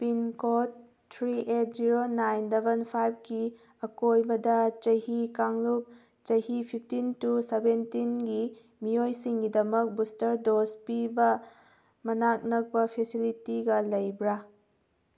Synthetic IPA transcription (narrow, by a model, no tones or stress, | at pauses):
pinkotʰː | ɾiʔet̚d͡ʒiɾonajndebʱɐnpʰajb̚ɡi | ɐkojbɐdɐt͡ʃɐjhikaŋluk̚ | t͡ʃɐjɦipʰip̚ʰtintusebentinɡi | mijojsiŋɡidɐmɐk̚bustɐɾdospibɐ | mɐnak̚nɐk̚pɐpʰesilitiɡɐlɐjbɾa